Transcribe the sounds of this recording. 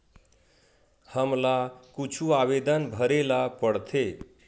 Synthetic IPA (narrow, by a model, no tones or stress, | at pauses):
həmlakut͡ʃʰuabed̪ənbʱəɾelapəɽt̪ʰe